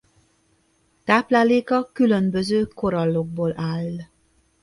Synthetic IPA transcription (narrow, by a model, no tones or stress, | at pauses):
t̪aːplaːleːkɒkylø̞mbø̞zøːko̞ɾɒlːo̞ɡ̚boːlʔaːlː